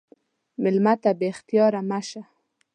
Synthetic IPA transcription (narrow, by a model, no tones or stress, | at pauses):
mɪlmat̪abext̪ijɑɾamaʃa